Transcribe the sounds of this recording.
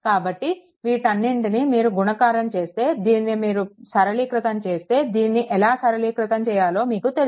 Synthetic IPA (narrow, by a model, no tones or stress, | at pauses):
kaːbɐʈːi | ʋiːʈɐnːiɳʈinimiːɾuɡunɐkaːɾɐmt͡ʃe̞ːst̪e̞ːd̪iːnːimiːɾusɐɾɐliːkɾɐt̪ɐmt͡ʃe̞ːst̪e̞ːd̪iːnːiʔɛlaːsɐɾɐliːkɾut̪ɐmt͡ʃɛːjaːlo̞ːmiːkut̪el